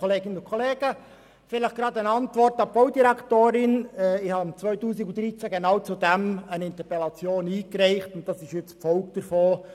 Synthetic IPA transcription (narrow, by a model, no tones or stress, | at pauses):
oleːɡɪnənʊnkʰoleːɡ̥ə | fɪləχɡ̥ɾɑːdənɑntʋɔɾtɑb̥ɔwdiɾæktoːɾɪnɛɪhɑmt͡sʋœʏtuːsiɡʊnd̥̪ɾit͡sæɡenɑwt͡sud̥ɛmənɪnt̪əpɛlɑt͡sjoːniːkɾɛɪχtʊnt̚d̥ɑsɪʃjɪt͡spfɔʊkd̥əɾfoː